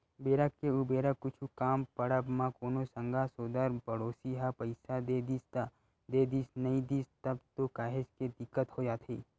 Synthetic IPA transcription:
beːɾəkːeʊbeːɾakkːʊt͡ʃʰukaːmpɐɽəbmãkoːnosə̃ŋɡʱasoːd̪əɾpɐɽoːsiɦapɐɪsad̪eːd̪ist̪a | d̪eːd̪iːsnɐĩd̪iːst̪ɐbt̪okaːɦɪd͡ʒked̪ɪkːət̪ɦod͡ʒaːt̪ʰiː

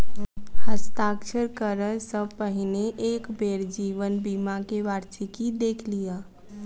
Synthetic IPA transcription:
həst̪aːkʃəɾkəɾəsəb̚pəɦɪneʔeːkbeːɾd͡ʒiːʋənbiːmakeʋaːɾtikid̪eːkʰlijaː

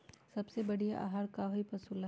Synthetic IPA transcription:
sɐbsebɐɽiaʔa̰ːɦaɾkaɦipɐsula

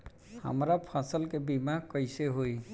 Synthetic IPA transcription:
a̰mɾapʰasɔlkɛbimakɔjsɛɦoj

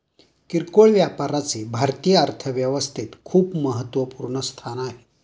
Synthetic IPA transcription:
kiɾkoɭʋjapaɾat͡sebʱaɾt̪ijəəɾt̪ʰəʋjəʋəst̪ʰit̪kʰuːpməɦət̪ʋəpuɾɳəst̪ʰanaɦe

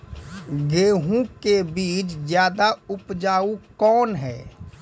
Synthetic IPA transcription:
ɡeːɦũkebiːt͡ʃd͡ʒjaːd̪aʊpd͡ʒaːukɔːnɦɛ̰ː

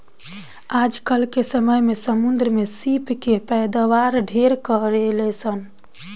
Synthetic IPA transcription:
ad͡ʒkəlkesəməjmesəmund̪ɾəmesipkepəjd̪aʋaɾɖʱeɾkəɾelɛsən

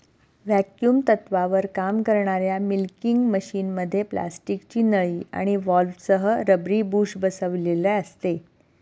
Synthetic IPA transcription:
ʋækjuːmt̪ət̪ʋaʋəɾkamkəɾɳ̃aɾjamilkiŋɡməɕiːnməd̪ʱːjepla̰sʈikt͡ɕiːnəɭiːa̰ɽ̃iʋɔlfsəɦəɾəbɾiːbuːɕbəsəʋleləəst̪e

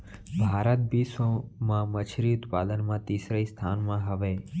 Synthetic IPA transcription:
bʱaːɾət̪̚bʱisõmãːmət͡ʃʰɾit̪paːlənmãːt̪iːsɾəist̪ʰaːnmãɦəʋeː

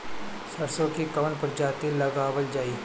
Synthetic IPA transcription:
sɐɾsõkikɐʋənpʊɾd͡ʒaːt̪ilɐɡaːʋəld͡ʒaːiː

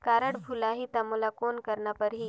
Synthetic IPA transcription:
kaːɾəɽbʱulaɦit̪ɐmolakoːnkɐɾnapəɾɦi

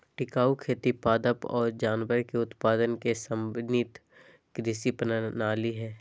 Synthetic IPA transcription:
ʈɪkaːukʰeːt̪ipaːd̪əpɔːɾd͡ʒaːnʋəɾkeʊt̪paːd̪ənkesə̃mbnit̪ | kɾɪsipənənaːliɦɛː

